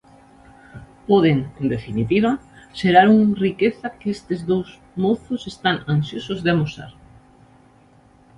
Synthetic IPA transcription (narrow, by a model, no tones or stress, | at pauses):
pɔðeŋend̪efinit̪iβ̞ɐʃeɾaɾuŋrikeθɐkɪest̪ɪzðows | moθʊsest̪aŋansjosozðɪamosa̰ɾ